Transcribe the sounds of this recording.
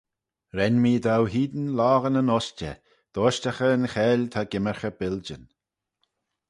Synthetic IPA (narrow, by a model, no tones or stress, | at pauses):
ɾɛnmiːd̪awɦiːd̪ənlaːɣənənɔst͡ʃə̰ | d̪̥oːʃtaxəːnxɛːlʲt̪ʰaɡɪməɹxəbɪld͡ʒən